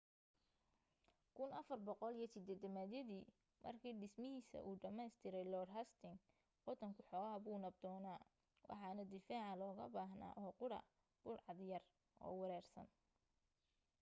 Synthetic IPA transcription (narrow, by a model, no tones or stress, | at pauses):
kʰʊnɐfɐrbɔqɔlijɞsɪd̪ɛːd̪ɐmæːd̪jɐðiː | mʔɐ̰rkʰiːɖɪsmɪɦiːsɐ̰ʔuːɖɐmɛjst̪ʰɪɾɛjlɔːdɦɐst̪ʰɪŋ | qɔðɐŋkʰʊħɔːɣɐɦɐbuːnɐb̚d̪ɔːnaː | wʔɑ̰ħɑːnɐd̪ɪfaːʕɑlɔːɣɐ̰baːɦna̰ːʔɔːqʊɽɐ̰ | b̥ʊlʕɑd̪jɐr | ʔɔ̰ːwɑɾɛːrsɐ̰n